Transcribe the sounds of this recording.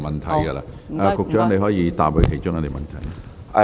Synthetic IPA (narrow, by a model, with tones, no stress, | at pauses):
mɐ˨nt̪ʰɐ˨˩jɡɐ˧la̰ː˧ɛː˧kʊ˨k̚t͡ʃœː˥ŋne˧jɦɔː˨˥jiː˨˧t̪a̰ː˨p̚ho˨˥kʰe˨˩t͡ʃʊ˥ŋɐ˧t̪i˨˩mɐ˨nt̪ʰɐ˨˩jnɛ˥